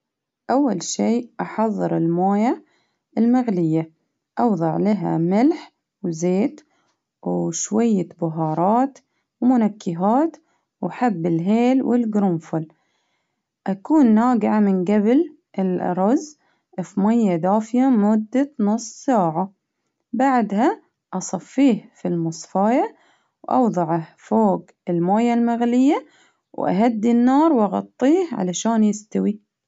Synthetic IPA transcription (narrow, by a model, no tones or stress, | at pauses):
ʔawːalʃiːʔɑħɑðˤːɨɾɪlmaːja | ʔɪlmaɣlɪjːa | ʔɑwðˤɑʕlaɦa̰mɪlħ | wzeːt̪ | wʃwajːabʊɦɑːɾˤɑːt̪ | wmʊnakːɪɦaːt̪ | waħabːɪlɦeːlwʔɪ̰lɡɾʊmfʊl | ʔakuːnːaːɡɪʕamɪnɡabl | ɪlɾˤɑz | fmajːad̪aːfɪjamʊd̪ːanʊsˤːsaːʕa | baʕd̪ha | ʔɑsˤɑfːiːhfilmʊsˤfɑːja | wʔɑ̰wðˤɑʕɑfoːɡ | ɪlmoːjalmaɣlɪjːa | wʔa̰ɦad̪ːinːɑːɾˤwʔɑɣɑ̰t̪ˤːiːhʕa̰laʃaːnjɪst̪awi